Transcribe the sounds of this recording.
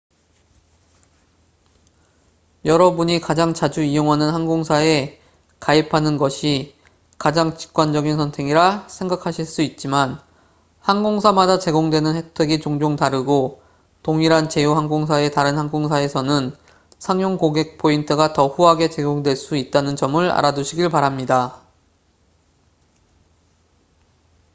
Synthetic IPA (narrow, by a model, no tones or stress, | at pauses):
jʌɾʌbuɲikad͡ʑaŋt͡ɕad͡ʑuijoŋɦanɯnɦanɡoŋsʰae̞ | kaipʰanɯnɡʌɕʰi | kad͡ʑaŋt͡ɕi̥k̚k͈wand͡ʑʌɡinsʰʌntʰe̞ŋiɾasʰe̞ŋɡakʰaɕʰiɭs͈uit̚t͡ɕ͈iman | hanɡoŋsʰamadat͡ɕe̞ɡoŋdwe̞nɯnhe̞k̚tʰwe̞ɡit͡ɕoŋd͡ʑoŋtaɾɯɡo | toŋiɾant͡ɕe̞joɦanɡoŋsʰae̞taɾɯnɦhanɡoŋsʰae̞sʰʌnɯn | sʰaŋjoŋkoɡe̞k̚pʰointʰɯɡatʌɸuɦaɡe̞t͡ɕe̞ɡoŋdweɭs͈uit̚t͈anɯnt͡ɕʌmɯɭa̰ɾaduɕʰiɡiɭpaɾamɲida